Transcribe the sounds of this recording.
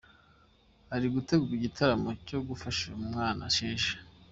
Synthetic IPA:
haɾiɡute̞ɡuɾiɟitʰaɾamo̞co̞ɡufaʃaumŋaːna̰ʃiːnʃe̥

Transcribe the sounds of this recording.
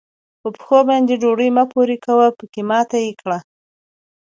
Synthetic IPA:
pəpə̥xobɑnd̪eɖoɽəjmapoɾekawapəkemɑt̪ajekɽa

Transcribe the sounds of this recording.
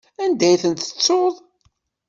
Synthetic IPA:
ænd̪æjθənt̪ə̥t͡sːoðˤ

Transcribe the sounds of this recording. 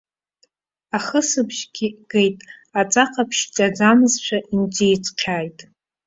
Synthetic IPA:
aχəsɨpʰʒɡʲiɡ̥ejtʼat͡sʼaqʰapʰʃt͡ʃʼad͡zamɨzt͡ʃʷʰaʔind͡zejt͡sʰʼqʲʰaːjtʼ

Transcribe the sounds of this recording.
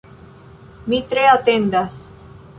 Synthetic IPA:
mit̪ɾeat̪end̪aθ

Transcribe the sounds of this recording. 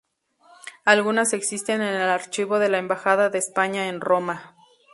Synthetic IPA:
alɣunase̞ksist̪e̞nenelaɾt͡ʃiβo̞ðe̞laembaxaðaðeːspaɲaenro̞ma

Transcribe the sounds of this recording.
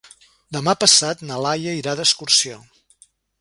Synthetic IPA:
d̪əmapəsat̪nəlajəiɾaðəskuɾsio

